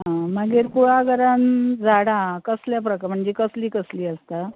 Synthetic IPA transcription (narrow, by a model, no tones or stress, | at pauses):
ɦãməɡiɾkuɭaɡʱəɾand͡zʱaɽãkəsljap̬ɾəkm̤əɳd͡zekəsliːkəsliːəst̪a